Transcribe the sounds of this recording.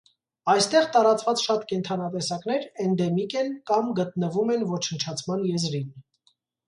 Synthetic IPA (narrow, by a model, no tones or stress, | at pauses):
ɑjst̪ɛʁt̪ɑɾɑt͡svɑt͡sʃɑt̪kɛnt̪ʰɑnɑt̪ɛsɑknɛɾɛnd̪ɛmikɛnkɑmɡət̪nəvumɛnvɔt͡ʃʰənt͡ʃʰɑt͡sʰmɑnjɛzɾin